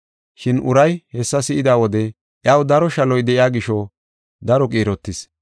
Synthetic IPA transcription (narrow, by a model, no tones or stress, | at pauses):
ʃɪnʔʊɾɐjhɛsːɐsɪʔɪd̪aːwɔd̪ɛ | ʔjaːwd̪ɐɾɔʃɐlɔjd̪ɛʔɪjaːɡɪʃɔ | d̪ɐɾɔkʼiːɾɔt̪ːɪs